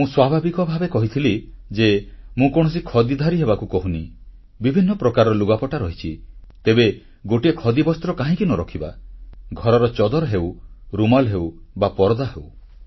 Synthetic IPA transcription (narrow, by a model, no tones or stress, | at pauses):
mũswabʱabikɔbʱabekɔɦit̪ʰilid͡ʒemũkɔɽ̃ɔs̬ikʰɔd̪id̪ʱaɾiɦebakukɔɦuni | bibʱinːɔpɾɔkaɾɔɔluɡapɔʈaɾɔɦit͡ʃʰit̪ebe | ɡoʈiekʰɔd̪ibɔst̪ɾɔkaɦĩkinɔɾɔkʰiba̰ɡʱɔɾɔɾɔt͡ʃɔd̪ɔɾɦewɾumalɦewbapɔɾɔd̪aɦew